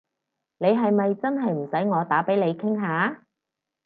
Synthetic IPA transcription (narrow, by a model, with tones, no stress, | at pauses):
ne˨˧jɦɐ˨jmɐ˨jt͡sɐ˥nɦɐ˨jm̩˨˩sɐ˨˥jŋɔː˨˧t̪aː˨˥pe˨˥jle˨˧jkʰɪ˥ŋɦaː˨˥